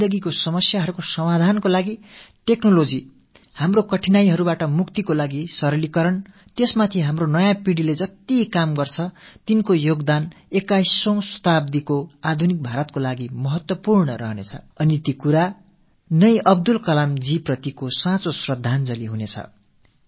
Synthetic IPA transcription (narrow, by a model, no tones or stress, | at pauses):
d̪ʌɡikosʌmʌsjaɦʌɾukosʌmad̪ʱankolaɡiʈeknolod͡zi | hamrokʌʈʰinajɦʌɾubaʈʌmukt̪ikolaɡisʌɾʌlikʌɾʌn | t̪esmat̪ʰiɦamronʌjãpiɽiled͡zʌt̪ikamɡʌrt͡sʰʌt̪inkojoɡd̪anekajsːʌ̃w̃sʌ̥t̪abd̪ikoad̪ʱunik̚bʱaɾʌt̪̚kolaɡimʌɦʌt̪wʌpurɳʌɾʌɦʌnḛt͡sʰʌ̰ | ʌnit̪ikuɾa | nʌjʔʌb̚d̪ulkʌlamd͡ziprʌt̪ikosãt͡sosrʌd̪ʱːand͡zʌliɦunet͡sʰʌ̰